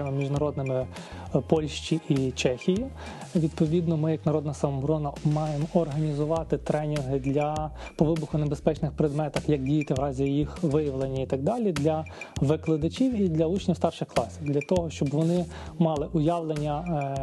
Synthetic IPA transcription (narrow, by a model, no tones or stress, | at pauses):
mɪmʲiʒnɐɾɔd̪nɪmɪ | pɔlʲʃt͡ʃʲiʔit͡ʃɛxʲiji | ʋʲid̪̚pɔʋʲid̪nɔmɪjɐknɐɾɔd̪nɐsɐmɔbɾɔnɐmɑjemɔrɦɐnʲizʊʋɑt̪ɪt̪ɾɛnʲinɦɪd̪lʲɐpɔʋɪbʊxʊnebespɛt͡ʃnɪxpɾed̪mɛt̪ɐxjɐkdʲijɐt̪ɪʋɾɑzʲijixʋɪjɐʋlˠenʲːɐit̪ɑɡ̚d̪ɑlʲid̪lʲɐʋɪklˠɪd̪ɐt͡ʃʲiwid̪lʲɐut͡ʃnʲiwst̪ɑrʃɪxklˠɑsʲiwd̪lʲɐt̪ɔɦɔʃt͡ʃɔbʋɔnɪ | mɑlˠɪʔʊjɑʋlˠenʲːɐ